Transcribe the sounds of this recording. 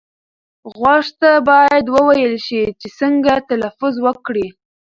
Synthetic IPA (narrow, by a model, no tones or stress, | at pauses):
ɣwaʂt̪abɑjad̪wəwajəlʃit͡ʃesəŋɡat̪alafʊzwəkɽi